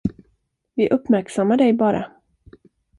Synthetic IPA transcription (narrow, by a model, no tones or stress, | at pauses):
vɪʔɵpmæɾksamːaɖɛjbɑːɾʔa̰